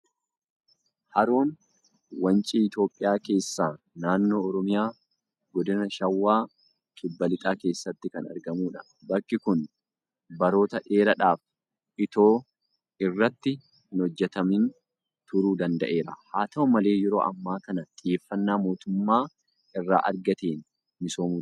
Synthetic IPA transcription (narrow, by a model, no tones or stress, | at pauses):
hɐɾuːn | wɐnt͡ʃʼiːɪt̪jo̞ːpʼːɪjaːke̞ːsːaː | naːnːo̞ːɔɾɔmɪjaː | ɡɔd̪ɪnɐʃɐwːaː | kʼɪbːɐlɪt̪ʼaːke̞ːsːɐt̪ːɪkɐnɐ̰ɾɡɐmuːᶑɐ | bɐkːɪkʊn | bɐɾo̞ːt̪ɐᶑeːɾɐᶑaːf | ʔɪt̪o̞ː | ɪrːɐt̪ːɪ | ɪnɔd͡ʒːɛt̪ɐmɪn | t̪ʊɾuːd̪ɐnd̪ɐʔe̞ːɾɐ̰haːt̪ɐɔmɐle̞ːjɛɾo̞̰ːʔɐ̰mːaːkɐnɐt̪ʼɪjeːfːɐnːaːmo̞ːt̪ʊmːaː | ɪrːa̰ːʔɐ̰ɾɡɐt̪eːnː | ɪso̞ːmuː